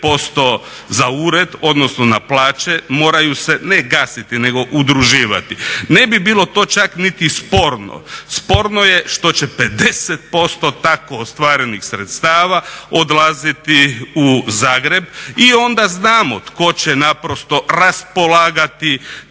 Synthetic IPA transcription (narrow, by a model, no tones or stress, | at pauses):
po̞st̪o̞ | zauːɾe̞d̪o̞d̪nosnonaplaːt͡ʃemo̞ːɾajuseneɡaːsit̪ine̞ɡo̞ʔud̪ɾuʒiːʋa̰t̪ine̞bibiːlˠo̞t̪o̞ːt͡ʃaknit̪ispo̞ɾno̰spo̞ɾnojeʃt̪o̞t͡ɕeped̪eset̪̚po̞st̪o̞t̪akoːst̪ʋaːɾe̞nixsɾet̪st̪aːʋaod̪lˠazit̪iuzaːɡɾe̞bio̞nd̪aznaːmo̰t̪ko̞t͡ɕenapɾost̪o̞ɾaspolaːɡat̪i